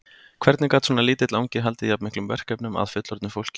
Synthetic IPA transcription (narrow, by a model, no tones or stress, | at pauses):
kʰvɛɾt̪nɪkaːt̪sɔːnaliːt̪ɪt̪lawɲcɪɦalt̪ɪiapmɪhklʏmvɛr̥kɛpnʏma̰ðfʏt̪lɔɾt̪nɪfowl̥cɪ̥